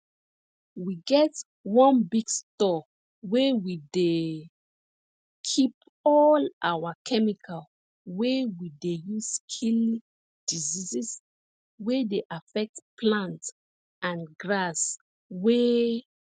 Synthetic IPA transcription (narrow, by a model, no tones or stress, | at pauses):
wiɡɛt | wɔ̃nbiɡstɔ | wewide | kʰip̚ | ɔlawakʰɛmikʰal | wewidejuskʰil | d̥izizɛs | wedeʔafɛk̚tpʰlãnt | ãnɡɹas | we